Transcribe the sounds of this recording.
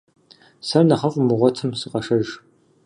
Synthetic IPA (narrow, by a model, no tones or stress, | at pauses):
sɐrnɐχɐfʼmɨʁʷɔtʰɨmsiqɐʂɐʒ